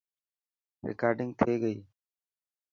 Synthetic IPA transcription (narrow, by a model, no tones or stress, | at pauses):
ɾɪ̰kaːɾɖɪ̃ŋɡ̚t̪ʰeːɡəiː